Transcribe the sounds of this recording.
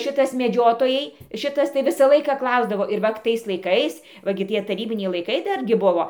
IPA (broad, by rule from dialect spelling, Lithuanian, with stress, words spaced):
ˈʃʲɪtɐs mʲɛˈd͡ʒʲoːtoːjɛɪ ˈʃʲɪtɐs tɐɪ ˈʋʲɪsɑː ˈlˠɐɪkɑː ˈklˠɐʊzdɐʋoː ɪr ˈʋɐt tɐɪs lˠɐɪˈkɐɪs ʋɐ ˈɡʲɪ ˈtʲiɛ tɐˈrʲiːbʲɪnʲɛɪ lˠɐɪˈkɐɪ ˈdɐrʲɡʲɪ ˈbʊʋoː